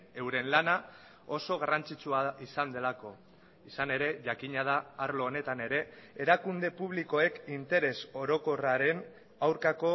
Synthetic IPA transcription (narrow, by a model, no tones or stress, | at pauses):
e̞wɾe̞nlana | o̞so̞ɣ̞arant͡sit͡suaisand̪e̞lako̞ | isane̞ɾe̞ʝakiɲað̞aːɾlo̞ːne̞t̪ane̞ɾe̞eɾakund̪e̞puβ̞liko̞e̞kint̪e̞ɾe̞so̞ɾo̞ko̞raɾe̞n | awɾkako̞